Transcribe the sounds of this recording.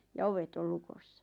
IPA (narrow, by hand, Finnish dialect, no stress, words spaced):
jɑ oʋet ol lukosːɑ